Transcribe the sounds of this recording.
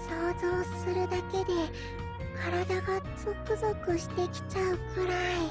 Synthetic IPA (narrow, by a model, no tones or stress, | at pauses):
soːzo̞ːsɨɾɯ̟d̪ake̞d̪e̞ | kʰaɾad̪aɡaz̥o̞kɯ̟zo̞kɯ̟ɕi̥t̪e̞kʲi̥t͡ɕaɯ̟kɯ̟ɾai